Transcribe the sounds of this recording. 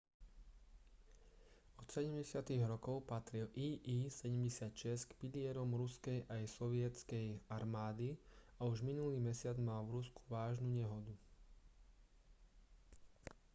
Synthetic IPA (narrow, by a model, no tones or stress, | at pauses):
ɔt̪sɛɟɛmɟɛsɪat̪iɣɾɔkɔʊpat̪ɾilʔiːʔiːsɛɟɛmɟɛsɪat̪ʃɛskpilɪɛɾɔmɾuskɛjʔajsɔʋɪɛt͡skɛjaɾmaːd̪i | auʒminuliːmɛsɪad͡zmalʋɾusku̥ʋaːʒnuɲɛɦɔd̪u